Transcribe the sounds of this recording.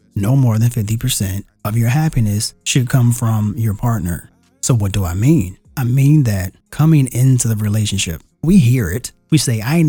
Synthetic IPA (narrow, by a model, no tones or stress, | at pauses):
noʊmɔɹðɨ̃nfɪftipʰə˞sɛ̃nt | ʌvjə˞ɦæpinɨsʃɨd̚kʰʌ̃ɱfɹʌ̃mjə˞pʰɑɹtⁿnə̰˞ | soʊwʌt̚d̥əaɪmĩn | aɪmĩnðɨt̚kʰʌmɪ̃ŋɪ̃ntʰʉðɨɹileɪʃɨ̃nʃɪ̰p̚wiɦiɹɪt̚ | wiseɪaɪ